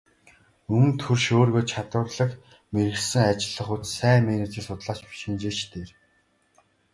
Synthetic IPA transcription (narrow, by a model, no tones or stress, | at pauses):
ɵŋɘ̆nt̪ʰɵrʃoːrɣoːt͡ɕʰat̪ʊːrɮə̆k | meɾɘ̆xsɘ̆ŋat͡ɕɪ̆ɮːə̆χut̪sæːmenet͡sɘ̆ɮsʊt̪ɮaːt͡ɕpi̥ʃint͡ɕeːt͡ɕt̪ʰeːr